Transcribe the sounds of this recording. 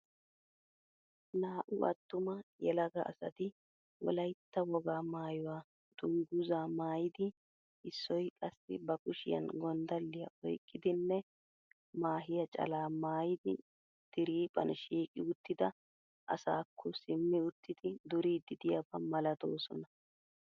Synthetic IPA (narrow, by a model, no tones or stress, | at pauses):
naːʔʊʔɐ̰t̪ːʊmɐjɛlɐɡɐʔɐ̰sɐ̰t̪ɪ | wɔ̰lɐjt̪ːɐwɔɡaːmaːjɔwaː | d̪̥ʊŋɡuzaːmaːjɪd̪ɪ | ʔɪsːɔjkʼɐsːɪ̰bɐkʼʊʃɪ̰jɐ̰nɡɔnd̪ɐlːɪjɐ̰ʔɔ̰jkʼːɪd̪ɪnːɛ | maːɦɪjɐt͡ʃʼɐ̰laːmaːjɪd̪ɪ | d̪̥ɪɾiːpʼɐ̰nʃiːkʼɪʊt̪ːɪd̪ɐ | ʔɐ̰saːkʰːɔsɪmːɪʊt̪ːɪd̪ɪd̪ʊɾiːd̪ɪd̪ɪjɐbɐmɐlɐt̪o̰ːsɔnɐ